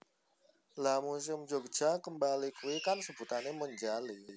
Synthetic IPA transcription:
lamus̬ɪmd͡ʒoɡ̥ʒ̥a̤kəmbalikuwikarsəb̥ṳt̪aneməɲd͡ʒali

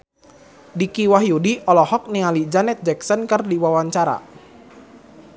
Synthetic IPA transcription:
dikiwahjudiɔlɔhɔk̚nialid͡ʒanɛt̪̚d͡ʒɛksənkərdiwawaɲt͡ʃaɾa̰

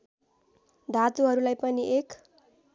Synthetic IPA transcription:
d̪ʱat̪uɦʌɾulajpʌniʔek

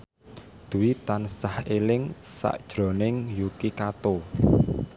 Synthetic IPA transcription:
d̪̥ṳwit̪ansahelɪŋsa̰ʔd̥ʒ̥ɾɔ̤nɪŋjukikat̪o

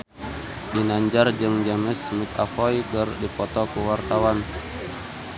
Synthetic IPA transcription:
dinaɲd͡ʒard͡ʒɨŋd͡ʒaməsmikafɔikərdipɔt̪ɔkuwart̪awan

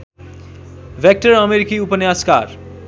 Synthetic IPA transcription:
ʋek̚ʈəɾʌmeɾikiupənjaska̰ɾ

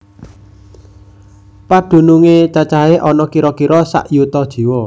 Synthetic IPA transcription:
paɖ̪̥ṳnuŋet͡ʃat͡ʃaɦeʔɔnɔkiɾɔkiɾɔsa̰ʔjut̪ɔd̥ʒ̥i̤wɔ

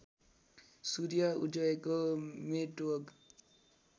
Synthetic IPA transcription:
suɾijaud͡ʒʌekomeʈoɡ

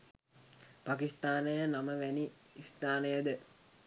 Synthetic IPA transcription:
pakist̪aːnəjənaməʋæniist̪aːnəjəd̪ə

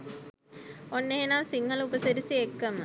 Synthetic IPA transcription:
onːeɦenamsiŋɦəlupəseɾisiekːəmə

